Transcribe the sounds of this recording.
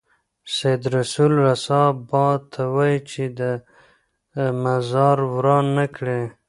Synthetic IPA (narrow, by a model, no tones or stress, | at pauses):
sajd̪ɾasulɾasɑbɑt̪ʰːawɑjit͡ʃed̪ə | mazɑɾwɾɑnːakɽe